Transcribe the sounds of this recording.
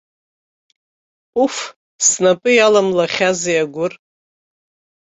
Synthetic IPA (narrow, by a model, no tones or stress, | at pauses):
uf | snapʼɨjalamlaχʲazijaɡʷʊr